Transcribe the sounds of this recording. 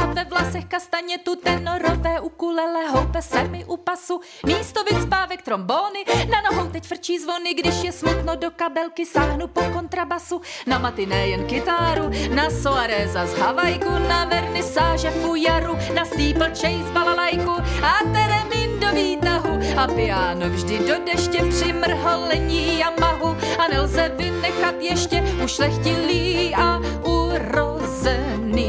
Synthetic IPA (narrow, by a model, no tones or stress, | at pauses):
avɛvlasɛxkast̪aɲɛt̪ut̪ɛnoɾovɛːʔukulɛlɛɦowpɛsɛmɪʔupasu | miːst̪o̞vɪtspaːvɛk̚t̪ɾo̞mboːnɪnanoɦo̞wt̪ɛcfr̩t͡ʃiːzvo̞nɪɡdɪʃjɛsmut̪nodokabɛlkɪsaːɦnupoko̞nt̪ɾabasunamat̪ɪnɛːjɛnkɪt̪aːɾunasoaɾɛːzazɦavajkunavɛɾnɪsaːʒɛfujaɾunasiːpl̩t͡ʃɛjzbalalajkuat̪ɛɾɛmiːndoviːt̪aɦuapɪjaːnovʒdɪdodɛʃcɛpr̥ɪmr̩ɦolɛɲiːjamaɦuanɛlzɛvɪnɛxat̪jɛʃcɛuʃlɛxcɪliːa | uɾo | zɛ | niː